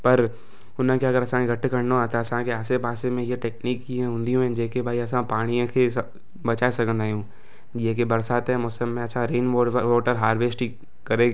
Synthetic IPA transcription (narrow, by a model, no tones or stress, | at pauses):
pɐɾ | ʊnə̃keɐɡəɾɐsãɡɐʈkɐɾnoat̪aɐsãkeaːsebaːsẽmẽjeʈeːkniːkːiɦɛ̃ɦʊ̃nd̪ijũɦɛ̃d͡ʒeːkebʱaːiɐs̬ãpaːɽ̃ijõkʰes | bɐt͡ʃaːesɐkə̃nd̪aːjũː | jeɦkebɐɾsaːt̪ɦɛ̃mɔːsəmːẽɐtːʃʰãɾeːnɔʋɔːʈəɾɦaːɾʋeːsʈi | kɐɾeː